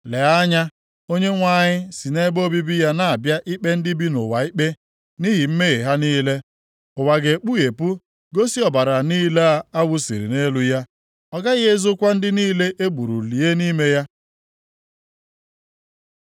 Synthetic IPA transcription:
le˨a˦ɲa˦ | o˦ɲe˦ŋʷa˦˨ɲɪ˦si˨ne˦ɡ͡bo˦bi˦bi˦ja˦na˦˨a˨bja˦ʔi˦k͡pe˦n̩˦dɪ˦bi˦nʊ˨wa˨i˦k͡pe˦ | ni˦ɦi˨m̩˦me˦ɣe˨ɦa˦niː˦le˦ | ʊ˨wa˨ɡe˨k͡pu˦e˨pu˦ | ɡo˦si˦ɔ˨ba˨ɾa˨niː˦le˦a˦a˦wʊ˦sḭ˨ɾḭ˨ne˦lʊ˨ja˦ | ɔ˨ɡa˦ɣe˦zʊ˦kʷa˦n̩˦dɪ˦niː˦le˦ʔe˦ɡ͡bu˨ɾṵ˨li˨e˦ni˦me˦ja˦

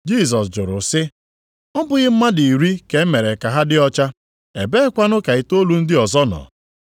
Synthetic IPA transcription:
d͡ʒi˦˨s̬ɔ˨sd͡ʒʊ˨ɾʊ˨sɪ˦ | ɔ˦bʊ˨ɣɪ˦m̩˦ma˦di˨i˨ɾi˦ke˨˦me˨ɾe˨ka˨ɦa˦dɪ˦ɔ˦t͡ʃa˦ | e˨be˦kʷa˦nʊ˦ka˨i˨to˦lu˦n̩˦dɪ˦ɔ˨zɔ˦nɔ̰ː˨

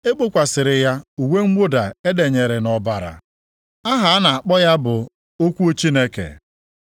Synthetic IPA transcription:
e˦k͡po˦kʷa˨sɪ˨ɾɪ˨ja˦u˨we˦ŋ͡m̩˦ɡ͡bʷo˦da˨e˦de˨ɲe˨ɾe˨nɔ˨ba˨ɾa̰˨ | a˦ɦa˨a˦na˨a˨k͡pɔ˦ja˦bʊ˨ | o˦kʷu˦o˦t͡ʃi˦ne˦kḛ˨

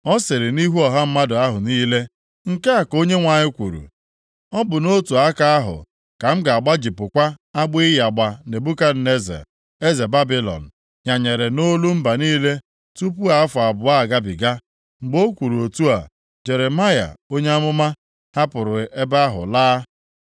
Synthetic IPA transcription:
ɔ˦se˨ɾɪ˨ni˦ɦu˦ɔ˨ɦa˦m̩˦ma˦dʊ˨a˦ɦʊ˨niː˦le˦ | ŋ̩˦ka˦a˨ko˦ɲe˦ŋʷa˨ɲɪ˦kʷu˨ɾṵ˨ | ɔ˦bʊ˨no˦tu˨a˦ka˦a˦ɦʊ̰˨ | ka˨m̩˦ɡa˨a˨ɡ͡ba˦d͡ʒi˨pʊ˨kʷa˦a˦ɡ͡bi˦ɪ˦ja˨ɡ͡ba˨ne˨bu˦ka˦n̩˦ne˦zḛ˨ | e˦ze˨ba˦bi˦lɔ̰˨n̩˨ | ɲa˨ɲe˨ɾe˨no˦lu˦m̩˦ba˨niː˦le˦ | tu˦p̬u˦a˨a˦fʊ˨a˨bʊ˨a˦˨ɡa˦bi˨ɡa˦ | ŋ͡m̩˨ɡ͡bo˦kʷu˨ɾu˨o˨tu˦a˨ | d͡ʒe˨ɾe˨ma˦ja̰˨o˦ɲe˦a˦mʊ˦ma˦ | ha˦pʊ˨ɾʊ˨e˦ba˦ɦʊ̰˨laː˦

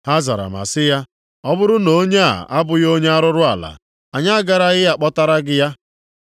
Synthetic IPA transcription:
ha˦za̰˨ɾa̰˨ma̰˨sɪ˦ja˦ | ɔ˦bʊ˦ɾʊ˦no˦ɲe˦a̰˨a˦bʊ˨jo˦ɲe˦a˦ɾʊ˦ɾʊ˦a˨la̰˨ | a˨ɲa˦ɡa˨ɾa˦ɣɪ˦ja˦k͡pɔ˦ta˦ɾa˦ɡɪ˦ja˦

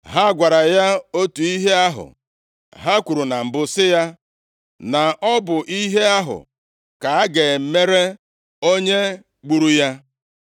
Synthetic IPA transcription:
ɦa˦ɡʷa˨ɾa˨ja˦o˦tu˨i˦ɦe˦a˦ɦʊ̰˨ | ɦa˦kʷu˨ɾu˨na˨m̩˨bʊ˦sɪ˦ja˦ | na˨ʔɔ˦bʊ˨ʔi˦ɦe˦a˦ɦʊ̰˨ | ka˨a˦ɡe˨m̩˦me˦ɾe˦ | o˦ɲe˦ | ɡ͡bu˦ɾu˦ja˦

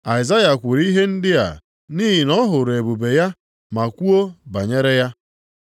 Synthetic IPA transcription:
a˨ɪ˨za˦ja˨kʷʊ˨ɾi˦ɦe˦n̩˦dɪ˦a̰˨ | niː˦ɦi˨nɔ˦ɦʊ˨ɾe˨bu˨be˨ja˦ | ma˨kʷu˦o˦ba˨ɲe˦ɾe˦ja˦

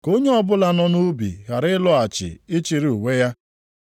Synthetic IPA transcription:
ko˦ɲe˦ɔ˦bʊ˦la˦nɔ˦nu˦bḭ˨ɣa˨ɾɪ˦ɪ˦lɔ˦a˨t͡ʃɪ̰˨ɪ˦t͡ʃi˨ɾi˨u˨we˦ja˦

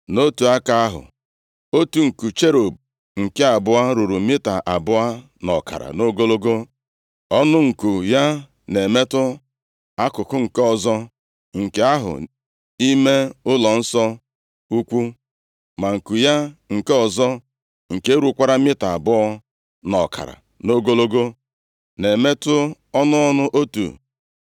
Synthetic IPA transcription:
no˦tu˨a˦ka˨a˦ɦʊ̰˨ | o˦tu˨ŋ̩˨ku˨t͡ʃe˦ɾo˨b̚ | ŋ̩˨ke˦a˨bʊ˦a˦ɾu˨ɾu˨mɪ˦ta˨ʔa˨bʊ˦a˦ | nɔ˨ka̰˨ɾa̰˨no˦ɡo˦lo˦ɡo˦ | ɔ˦nʊ˦ŋ̩˨ku˨ja˦ | ne˨me˦tʊ˦ | a˦kʊ˨kʊ˦ŋ̩˨ke˦ɔ˨zɔ˦ | ŋ̩˨ke˨a˦ɦʊ̰˨ | i˦me˦ʊ˦lɔ˨n̩˦sɔ˦ | u˦kʷu˦ | ma˨ŋ̩˨ku˨ja˦ŋ̩˨ke˦ɔ˨zɔ˦ | ŋ̩˨ke˦e˦ɾu˨˦kʷa˦ɾa˦mɪ˦ta˨a˨bʊ˦ɔ˦ | nɔ˨kʰa̰˨ɾa̰˨ | no˦ɡo˦lo˦ɡo˦ | ne˨me˦tʊ˦ | ɔ˦nʊ˦ɔ˦nʊ˦ʔo˦tṵ˨

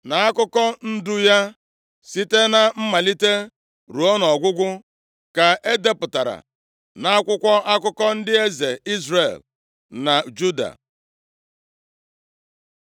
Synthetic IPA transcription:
na˨a˦kʊ˦kɔ˦n̩˦dʊ˦ja˦ | si˦te˦na˨m̩˦ma˨li˦te˦ | ɾu˨ɔ˦nɔ˨ɡʷʊ˦ɡʷʊ˦ | ka˨ʔe˦de˦pʊ˨ta˨ɾa̰˨ | na˦a˦kʷʊ˦kʷɔ˦ʔa˦kʊ˦kɔ˦n̩˦dɪ˦e˦ze˨i˦zre˨l | na˨d͡ʒu˦da̰˨

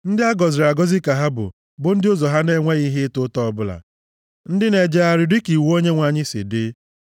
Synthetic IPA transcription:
n̩˦dɪ˦a˦ɡɔ˨zɪ˨ɾa˨ɡɔ˦zɪ˦ka˨ɦa˦bʊ̰˨ | bʊ˨n̩˦dɪ˦o˦zɔ˨ɦa˦ne˦ŋʷe˦ɣi˦ɦɪ˦tʊ˦tɔ˦ɔ˦˨bʊ˦la̰˨ | n̩˦dɪ˦ne˨d͡ʒe˦a˨ɾɪ˨dɪ˦ki˨wo˦ɲe˦ŋʷa˨ɲɪ˦sɪ̰˨dɪ˦

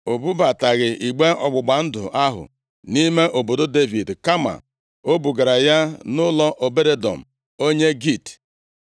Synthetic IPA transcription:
o˨bu˦ba˨ta˨ɣɪ˨i˨ɡ͡be˦ɔ̰˨ɡ͡bʊ˨ɡ͡ba˨n̩˦dʊ̰˨ʔa˦ɦʊ̰˨ | ni˦me˦ʔo˨bo˨do˦de˦vi˨dka˦ma̰˨ | o˦bu˨ɡa˨ɾa˨ja˦nʊ˦lɔ˦ʔo˨be˦ɾe˦dɔ̰˨m̩˨ | o˦ɲe˦ɡi˦˨t

